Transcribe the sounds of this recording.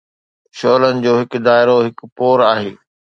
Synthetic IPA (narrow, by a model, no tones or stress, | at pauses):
ʃɔːlənɪ̆d͡ʑoːɦɪkd̪aːɪɾoɦɪkpoːɾaːɦeː